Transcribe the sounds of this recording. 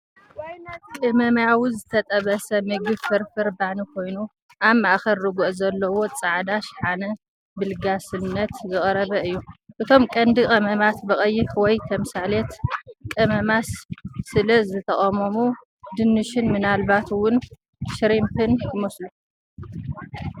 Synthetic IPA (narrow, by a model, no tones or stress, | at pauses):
kʼɨmɐmjawuzɨt̪ʰɐt̪ʼɐβɐsɐmɨɡɨbfɨɾfɨɾbaʕnikʰo̞jnu | ʔaβmaʔxɐɾːɨɡuʔzɐlːɐwo̞t͡sʼaʕd̪aʃħanɐ | bɨlɡasɨnːɐt̪zɨχʼɾɐβɐɨjːuʔɨt̪ʰo̞mkʼɐnd̪ɨkʼɐmɐmat̪bɨχʼɐjːɪfwɔjt̪ʰɐmsalet̪kʼɐmɐmassɨlɐzɨt̪ʰɐχʼɐmɐmu | d̪ɨnːɨʃɪnmɨnalbat̪ʰwʊn | ʃɾimpʰɨnkʰɨmoslu